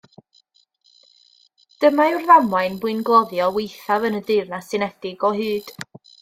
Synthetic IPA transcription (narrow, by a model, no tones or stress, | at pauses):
d̥əmaɪrðamwajnbʊɨnɡlˠɔðjɔwejθavənədɪrnasɨnɛd̥ɪɡɔɦɨːd̥